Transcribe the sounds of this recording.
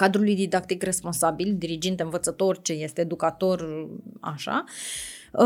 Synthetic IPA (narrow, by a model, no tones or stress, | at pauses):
kad̪ɾulujd̪id̪akt̪ikre̞spo̞nsabild̪iɾid͡ʒint̪eɨnvət̪sət̪o̞rt͡ʃe̞je̞st̪eːd̪ukat̪o̞ra̰ʃa̰